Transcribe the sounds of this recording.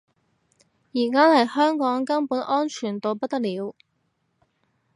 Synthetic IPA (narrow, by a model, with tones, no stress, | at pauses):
jiː˨˩kaː˥hɐ˨jhœː˥ŋkɔː˨˥ŋkɐ˥npuː˨˥nʔɔː˥nt͡ʃʰyː˨˩nt̪o˨˧wpɐ˥t̚t̪ɐ˥k̚liː˨˧˥w